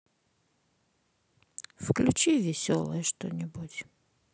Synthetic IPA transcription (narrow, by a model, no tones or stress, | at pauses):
fklʲʊt͡ɕivʲɪsʲɔ̰lˠəjəʂt̪o̰nʲɪbutʲ